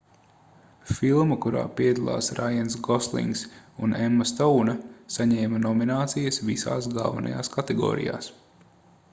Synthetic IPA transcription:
filˠmɐkuɾa̰ːpiɛd̪alˠa̰ːsɾʔajansɡɔslˠḭŋksunɛmːɐst̪ɔwnɐsaɲɛːmɐnɔminaːt̪sijɐsvisa̰ːs̬ɡa̰lˠvɐ̰na̰ja̰ːskat̪ɛɡɔ̰ːɾḭja̰ːs

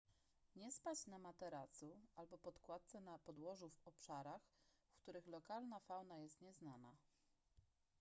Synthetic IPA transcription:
ɲɛspat͡ɕnamat̪ɛɾat̪sualbɔpɔt̪kwat̪̚t̪sɛnapɔd̪wɔʐuvɔpʂaɾaxfkt̪uɾɘxlɔkalnafawnajɛst̪ɲɛznana̰

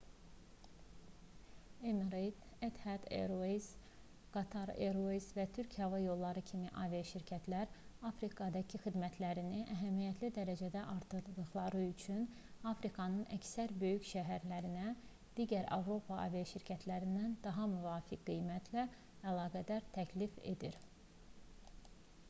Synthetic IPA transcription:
emɾejd̪et̪hæd̪ḛɾoiz | ɡ̥ɑt̪ʰɑɾḛɾozvæt̪ʰyɾcʰhɑvɑjo̞lˠːɑɾɯcʰimiʔɑ̰vijɑʃiɾcʰæt̪ʰlæɾɑfɾikʰɑd̪ɑcʰixid̪mæt̪ʰlæɾiniʔæɦæmijæt̪ʰlid̪æɾæd͡ʒæd̪æʔɑɾt̪ʰɯɾd̪ɯɣlˠɑɾɯyt͡ʃʰyn | ɑfɾikʰɑnɯnæ̰csæɾbø̞jycʃæɦæɾlæɾinæ | d̪̥iːɟæɾɑ̰vɾo̞pʰɑʔɑ̰vijɑʃiɾcʰæt̪ʰlæɾind̪ænd̪ɑɦɑmyvɑːfikɡijmæt̪ʰlæ | ælˠɑːɡæd̪æɾt̪ʰæcʰlife̞̰d̪iɾ

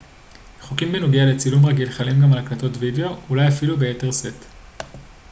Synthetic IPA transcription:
χokimbenuɡeale̞t͡silumʁaɡilχalimɡamalaklato̞tvideo̞ulajafilube̞jete̞ʁset

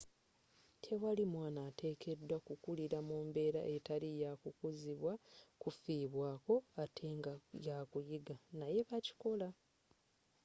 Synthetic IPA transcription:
tʰe̞walimwaːnate̞ːkʰe̞dːwakukuliɾamuːmbe̞ːɾa̰ʔe̞talijakukuziβwakufiːβwaːko̞atʰe̞ŋɡajakujiɡanaje̞βaci̥ko̞la

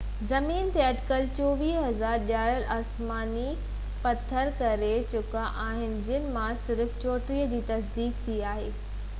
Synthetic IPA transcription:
zɐmiːnt̪eɐʈɪkəlt͡ɕoːʋiːɦɐzaːɾɗjaːɾəlʔaːsmaːni | pɐt̪ʰːəɾkɐɾet͡ɕʊkaʔaːɦɪnɪ̆d͡ʑɪnɪ̆mãsɪɾft͡ɕoːʈɾiːəd͡ʑiːt̪ɐsd̪iːk̚t̪ʰiaːɦeː

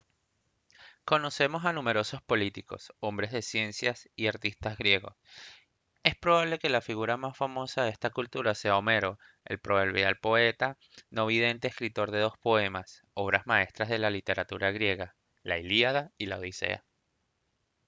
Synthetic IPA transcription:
ko̞no̞se̞mo̞sanume̞ɾo̞so̞spo̞lit̪iko̞̰so̞mbɾe̞zðe̞sje̞nsjasiaɾt̪ist̪azɣɾje̞ɣo̞̰s | e̞spɾo̞β̞aβle̞ke̞lafiɣuɾamasfamo̞saðeest̪akult̪uɾase̞aome̞ɾo̞ | e̞̰lpɾoβeɾβjalpo̞e̞t̪a | noβið̞e̞nt̪e̞ːskɾit̪o̞ɾðe̞ð̞o̞spo̞e̞mas | o̞β̞ɾazmae̞st̪ɾazðe̞lalit̪e̞ɾat̪uɾaɣɾje̞ɣa | laeliaðailaoðise̞̰a̰

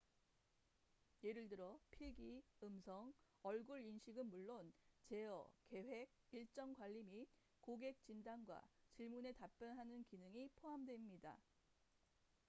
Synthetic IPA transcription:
jeɾɯɭdɯɾʌpʰiɡiɯmsʰʌŋ | ʌɭɡuɾinɕʰiɡɯnmuɭːont͡ɕe̞ʌ̰ke̞ɸwe̞ɡ̚iɭt͡ɕ͈ʌŋkwaʎːimi | koɡe̞k̚t͡ɕimdanɡwa̰t͡ɕiɭmune̞tap͈jʌnɦanɯnkinɯŋipʰoɦamdwe̞mɲida̰

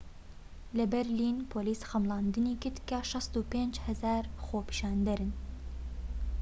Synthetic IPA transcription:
lɛbɛɾliːnpʰoːliːsxɐmlɑːnd̪ɨniːkɨt̪kɛʃɑst̪uːpeːnd͡ʒhɛzæːɾxoːpi̥ʃɑːnd̪ɛɾɨn

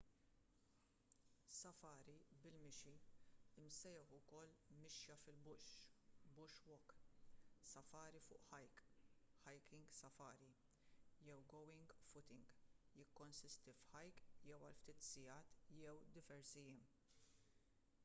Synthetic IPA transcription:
sɐfɐːɾibɪlmɪʃiɪmsɛjɛħʊkɔlːmɪʃjɐfɪlbʊʃbʊʃwɔk | sɐfɐːɾifʊ̰ːʔħɐjkħɐjkɪŋɡsɐfɐːɾi | jɛwɡɔwɪŋɡfʊt̪ɪŋɡjɪkːɔnsɪst̪ifħɐjkjɛwɐlft̪iːt̪sɪjɐːt̪jɛwd̪ɪvɛɾsijɪːm

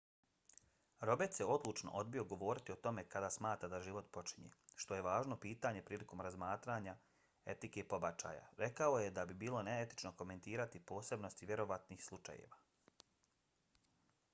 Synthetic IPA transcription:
ɾo̞bet̪sjeo̞d̪lut͡ʃno̞̰ʔo̞d̪̚bio̞ɡo̞ʋo̞ːɾit̪io̞t̪o̞me̞kad̪asmaːt̪ɾad̪aʒiʋo̞t̪po̞t͡ʃiɲḛʃt̪o̞je̞ʋaːʒno̞piːt̪aːɲe̞pɾiːlˠiko̞mɾazmaːt̪ɾaɲa | e̞t̪ikepo̞bat͡ʃa̰ːja̰ɾe̞kao̞je̞d̪abibiːlo̞neet̪i̥t͡ʃnoko̞me̞nt̪iːɾat̪ipo̞ːse̞bno̞st̪iʋje̞ɾo̞ʋat̪niːxslˠut͡ʃa̰jḛʋaː

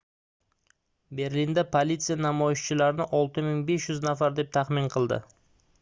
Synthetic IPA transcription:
be̞ɾlind̪apʰolʲit̪sijanamɒjɪʃt͡ʃɪlaɾɪnɪʔɒlˠt̪ɪmɪŋbe̞ʃjʊznafaɾd̪e̞p̚t̪ʰaχmɪnqʰɨlˠd̪ɪ̰

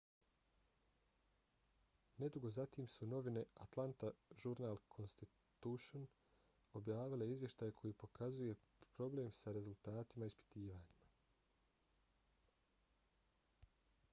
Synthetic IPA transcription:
ne̞d̪uɡo̞zat̪iːmsuno̞ʋine̞a̰t̪lˠant̪aʒuɾnaːlˠkʰo̞nst̪i | t̪uʃon | o̞bjaːʋile̞izʋje̞ʃt̪aːjekʰo̞jiːpo̞kʰazuje̞ | pɾo̞ble̞ːmsaɾe̞zult̪aːt̪imaispi̥t̪iːʋaːɲima

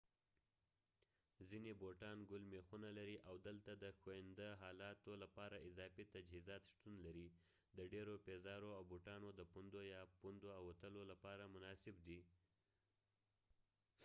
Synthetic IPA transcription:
zineboʈɑnɡʊlmexunalaɾiʔawd̪əlt̪ad̪əxoɪnd̪əɦɑlɑt̪olapɑɾaɪzɑfit̪ad͡ʒhizɑt̪ʃt̪unlaɾi | d̪əɖeɾopezɑɾoawboʈɑnod̪əpund̪ojɑpund̪oawat̪əlolapɑɾamʊnɑsɪb̚d̪i

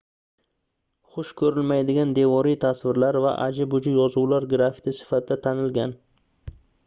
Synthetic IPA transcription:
χʊʃkʰɵɾɪlmajd̪ɪɡʲand̪e̞vɒɾijt̪ʰasvɪɾlaɾva̰ʔa̰d͡ʒɪbʊd͡ʒɪjɒzuwlaɾɡɾafɪ̥t̪ʰɪsɪ̥fat̪ʰɪd̪at̪ʰanɪlɡʲan

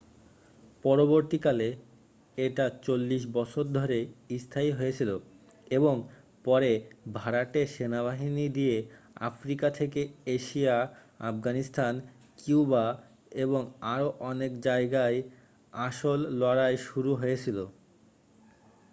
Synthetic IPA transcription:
pɔɾoβoɾt̪ikale | eʈat͡ɕolːiʃ̬bɔt͡ɕʰoɾd̪ʱoɾeist̪ʰaiɦojet͡ɕʰilo | eboŋ | pɔɾebʱaɾaʈeʃenaβaɦinid̪iea̰fɾikat̪ʰekeeʃia | a̰fɡanist̪ʰan | kuba | eβoŋaɾoʔɔnekd͡ʑaeɡae | aʃolːɔɾaeʃuɾuɦojet͡ɕʰilo

